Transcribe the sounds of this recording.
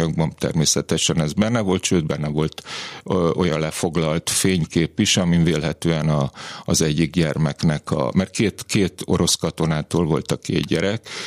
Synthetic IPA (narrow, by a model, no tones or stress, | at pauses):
ɒɡ̚bɒnt̪ɛ̰rmeːsɛt̪ɛʃɛnɛzbɛnːɛvo̞lt̪ʃøːd̪bɛnːɛvo̞lt̪ | ʔo̞jɒnlɛfo̞ɡlɒlt̪feːɲkeːpiʃɒmiveːlɦɛt̪øːɛnɒːzɛɟːiɡɟɛrmɛknɛkʰɒ̰mɛrkeːt̪keːt̪o̞ɾo̞skɒt̪o̞naːt̪oːlvo̞lt̪ɒkḛːdɟɛɾɛk